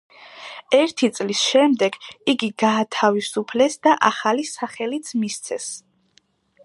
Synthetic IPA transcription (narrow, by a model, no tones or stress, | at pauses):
ɛɾt̪ʰit̪sʼlisʃɛmd̪ɛɡiɡiɡaːt̪ʰavisupʰlɛsd̪aʔaχalisaχɛlit̪sʰmist̪sʰɛs